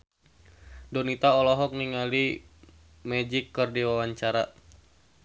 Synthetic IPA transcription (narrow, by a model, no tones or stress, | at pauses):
dɔnit̪aɔlɔɦɔk̚niŋali | mɛd͡ʒikːɨrdiwawaɲt͡ʃaɾa